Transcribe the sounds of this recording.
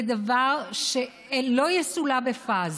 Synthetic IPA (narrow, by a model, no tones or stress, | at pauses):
d̪avaʁʃe | lojɛsulabefaz